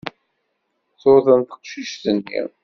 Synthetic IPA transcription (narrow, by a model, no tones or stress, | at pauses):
θʊɾθənt̪ə̥qʃiʃθənːḭʁ